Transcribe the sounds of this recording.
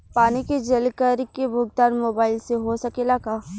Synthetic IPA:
paːniked͡ʒɐlkəɾkebʱʊɡ̚d̪aːnmoːbaːɪlseɦosɐkelaːkaː

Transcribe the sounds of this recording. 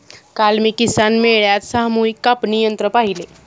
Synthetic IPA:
kalmiːkisanmeɭjat̪saɦmuikːapnijənt̪ɾəpaɦile

